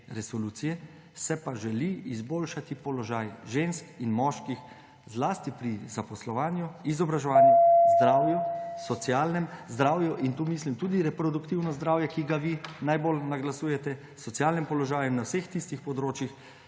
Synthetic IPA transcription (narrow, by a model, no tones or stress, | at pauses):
ɾɛsɔluːt̪sijɛ | sɛpaʒɛliizboːlʃat̪ipɔlɔʒaːjʒenskinmɔːʃkix | zlast̪ipɾizapɔslɔʋaːnjuizɔbɾaʒɛʋaːnjuzd̪ɾaːwjusɔt̪siaːlnɛmzd̪ɾaːwjuʔint̪uːmislimt̪uːd̪iɾɛpɾɔd̪ukt̪iwnɔzd̪ɾaːwjɛkiɡaʋinajbolnaɡlasuːjɛt̪ɛ | sɔt̪sijaːlnɛmpɔlɔʒaːjunawsext̪ist̪ixpɔd̪ɾoːt͡ʃjix